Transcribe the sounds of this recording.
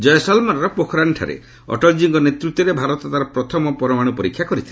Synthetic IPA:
d͡ʒɔjasɔlmɔnɔɾɔpokʰɔɾaɳʈʰa̰ɾḛ | ɔ̰ʈɔld͡ʒiŋɡɔnet̪ɾut̪ːɔɾebʱaɾɔt̪ɔt̪aɾɔpɾɔt̪ʰɔmɔpɔɾɔmaɽ̃upɔɾikʰjakɔɾit̪ʰi

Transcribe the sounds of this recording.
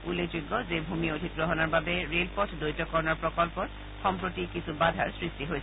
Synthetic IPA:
ulːed͡ʒoɡːɔzebʱumiodʱit̚ɡɹɔɦɔnaɹbabɛɹelpɔtʰdojtɔkɔɹnɔɹpɹɔkɔlpɔt | xɔmpɹotikisubadʱa̰ɹsɹistiɦojs

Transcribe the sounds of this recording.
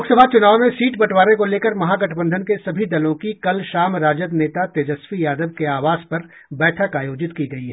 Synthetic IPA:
oksəbʱat͡ʃʊnaːʋmẽsiːʈbɐʈʰwaːɾẽkoleːkəɾmɐɦaɡɐʈʰbə̃nd̪ʱənkesɐbʱid̪ɐlõkikɐlʃaːmɾaːd͡ʒəd̪neːt̪at̪eːd͡ʒəsfijaːd̪əbkeaːʋaːzpɐɾ | bɛːʈʰəkaːjoːd͡ʒɪt̪kiɡɐiɦɛː

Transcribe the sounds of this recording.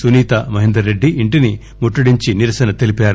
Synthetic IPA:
suniːt̪ɐmɐɦind̪ɾɐɾːe̞ɖːiʔiɳʈini | muʈːuɽiɲt͡ʃiniɾɐsɐnɐt̪e̞lipaːɾu

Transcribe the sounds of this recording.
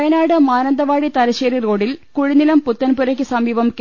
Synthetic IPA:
jɐnaːɽɨmaːnɐnd̪ɐʋaːɽit̪ɐlɐɕeːriro̞ːɽilkuɻinilɐmput̪ːɐnpuɾɐkʲːɨsɐmiːʋɐmk

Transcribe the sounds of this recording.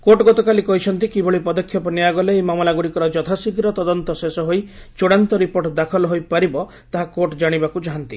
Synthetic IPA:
koʈɡɔt̪ɔkalikɔɦit͡ʃʰɔnt̪ikibʱɔɭipɔd̪ɔkʰːjɔpɔnijaɡɔleemamɔlaɡuɽikɔɾɔd͡ʒɔt̪ʰasikɾɔt̪ɔd̪ɔnt̪ɔsesɔɦoj | t͡ʃoɽant̪ɔɾipoɾʈd̪akʰɔlɔɦojpaɾibɔ | t̪aɦakoʈd͡ʒaɽ̃ibakud͡ʒaɦant̪ḭ

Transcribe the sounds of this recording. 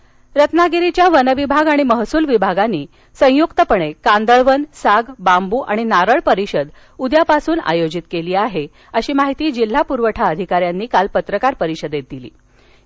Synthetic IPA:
ɾət̪naɡiɾit͡ɕjaʋənəʋibʱaɡaɽ̃iməɦsuːlʋibʱaɡanːiː | sə̃jukt̪əpəɳ̃ekand̪əɭʋənsaɡbambuːʔaɽ̃inaɾəɭpəɾiɕəd̪ | ud̪japasuːna̰jod͡ʑit̪keliːaɦe | əɕiːmaɦit̪iːd͡ʑil̤ːapuɾʋəʈʰaəd̪ʱikaɾjanːiːkalpət̪ɾəkaɾpəɾiɕəd̪jet̪̚d̪ilḭː

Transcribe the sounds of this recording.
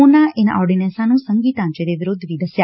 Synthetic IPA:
onaenɔɾɖinẽsanũsə̃ŋɡiːt̪ãɲt͡ʃeɾeʋɪɾʊd̪ʱːʋid̪ʱəsja

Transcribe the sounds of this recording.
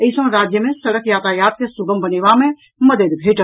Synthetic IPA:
əɪsõɾaːd͡ʒjəmẽsɐɽəkjaːt̪aːjaːt̪̚kesʊɡəmbɐneːʋamẽ | mɐd̪əd̪bʱeːʈə

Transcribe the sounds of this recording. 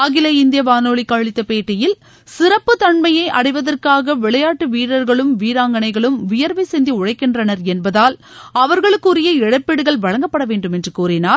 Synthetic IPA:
ɐɣɪlɐɪnd̪ɪjɐʋaːnoːɭɪkːaːɭɪt̪ːɐpeːʈːɪjɪl | sɪɾɐpːɯt̪ɐɳmɐjɐɪʔɐɽɐɪʋɐðɐrkaːɣɐʋɪɭɐjaːʈːɯʋiːɽɐɾɣɐɭɯmʋiːɾaːŋɡɐnɐɪɣɐɭɯmʋɪjɐɾʋɐɪsɛnd̪iʊɻɐɪkːɪndrɐnɐɾɛnbɐðaːl | ɐʋɐɾɣɐɭɯkːɯɾɪjɐɪɽɐpːɛɽɯɣɐɭʋɐɻɐŋɡɐpːɐɽɐʋeːɳɖɯmɛndrɯkuːɾɪnaːɾ

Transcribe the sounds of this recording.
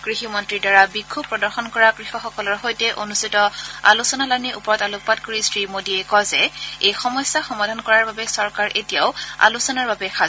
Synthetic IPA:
ɡ̥ɹiximɔntɹidaɹabikʰːubpːɹɔdɔɹxɔnkɔɹaɡɹixɔxɔkɔlɔɹxojtɛʔonustitɔa̰lusɔnalaniʔupɔɹɔtalʊk̚patkoɹisɹimodiɛkɔzɛejxɔmɔsːaxɔmadʱankɔɹaɹbabɛsɔɹkaɹʔetijaʊa̰lusɔnaɹbabɛxa

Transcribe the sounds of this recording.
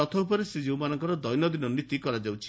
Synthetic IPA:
ɔt̪ʰɔupɔɾesed͡ʒiwmanɔŋkɔɾɔd̪ɔjnɔd̪inɔnit̪ikɔɾad͡ʒawt͡ʃʰi̥

